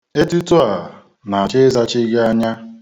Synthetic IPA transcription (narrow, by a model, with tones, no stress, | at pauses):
e˦tu˦tu˦a˨ | na˨a˨t͡ʃe˦za˦t͡ʃi˦ɡa˦ɲa˦